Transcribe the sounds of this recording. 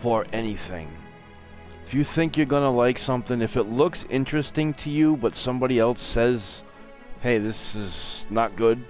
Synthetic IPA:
fə˞ʔɛniθɪ̰̃ŋ | ɪfjɨθɪ̃ŋkjə˞ɡʌnəlaɪksʌ̃mθɪ̃ŋɨfɨtˡlʊksɪ̰̃nt͡ʃɹ̥ɨstɪ̃ŋtʰɨjɨbʌtsʌ̃mbɑɾiɛlˠsɛz̥ | heɪðɪsɪznət̚ɡ̥ʊd̥̚

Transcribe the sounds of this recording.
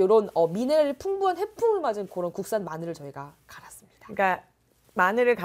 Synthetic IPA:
joɾonʌmineɾɯɭpʰuŋbuanɦe̞pʰuɡɯɭmad͡ʑɯnkoɾʌnkuk̚s͈anmanɯɾɯɭt͡ɕʌiɡakaɾas͈ɯmɲid̥ḁɯk͈a | manɯɾɯɭka

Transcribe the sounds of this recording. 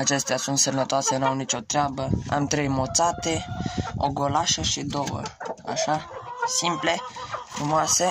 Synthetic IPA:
at͡ʃe̞st̪easunt̪sənət̪oasenuawnit͡ʃo̞t̪ɾeabəa̰mt̪ɾe̞jmot̪sat̪e̞o̰ɡo̞laʃəʃid̪o̞wə̰a̰ʃasimple̞fɾumoase̞

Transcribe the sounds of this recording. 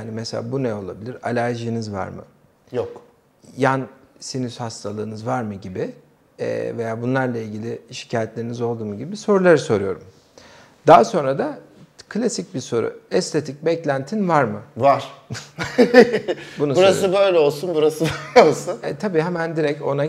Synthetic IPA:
jjaːnimɛselʲa̰ːbunɛo̞lˠabilʲiɾalʲæɾʒijːnizva̰ɾmɯ̰ | jok | jansinyshast̪ʰalˠɯːnɯzvaɾmɯɟibi | ɛ̰ve̞jaːbunlˠaɾlˠailʲɟilʲɪʃi̥cʰaːjɛt̪lʲe̞ɾinizo̞lˠd̪uːmuɟibiso̞ɾulˠaɾɯso̞ɾujo̞ɾum | d̪̥aːso̞nɾad̪a | kʰlʲasic̚biso̞ɾṵɛst̪ʰe̞t̪ʰic̚bɛclʲænt̪ʰinvaɾmɯvaɾ̥ | bunusbuɾasɯbø̞jlʲɛo̞lˠsunbuɾasɯbøjlʲɛolˠsunɛt̪ʰabiːɦɛmænd̪iɾɛco̞̰na

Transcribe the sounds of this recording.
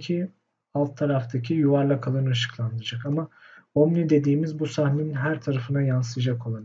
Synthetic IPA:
cʰi | alˠt̪ʰːaɾaft̪ʰacʰijuvaɾlˠakʰalˠaɾnɯaʃɯ̥klˠand̪ɯd͡ʒakamaomnid̪e̞d̪iːmizbusahneninɦæɾt̪ʰaɾafɯnajansɯjd͡ʒakʰo̞lˠan

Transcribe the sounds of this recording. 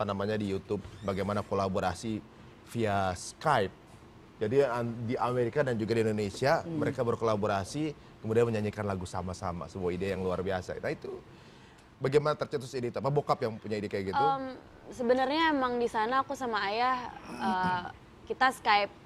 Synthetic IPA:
apanamaɲadijut̪ʊb̚baɡajmanakolaboɾasi | fiaskajp̚ | d͡ʒadidiameɾikadand͡ʒuɡadiindonesiaməɾekabərkolaboɾasi | kəmudianməɲaɲikanlaɡusamasama̰səmuaideajaŋluarbiasa̰nait̪u | baɡajmanat̪ərt͡ʃət̪̬ʊsidit̪uapabokapjaŋpuɲaidikajɡitəum | səbənərɲaemaŋdisanaːkusamaːjahə | kit̪askaip̚

